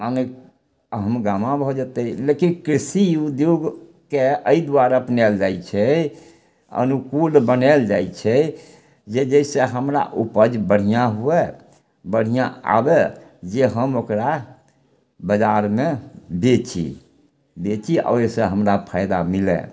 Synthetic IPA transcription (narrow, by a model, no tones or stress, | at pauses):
manek | ɦəmɡamãbʱɔd͡ʒət̪ɛlekinkɾisiud̪joɡ | keəid̪uaɾaəpnɛld͡ʒajt͡ʃʰɛ | ə̰nukulbənɛld͡ʒajt͡ʃʰɛ | d͡ʒed͡ʒəiseɦəmɾa̰ʔupəd͡ʒbəɽ̤ijãɦue | bəɽ̤ijãa̰bed͡ʒeɦəmokɾa | bəd͡ʒaɾmebet͡ʃḭ | bet͡ʃiɔ̰esẽɦəmɾapʰaɪd̪amilḛ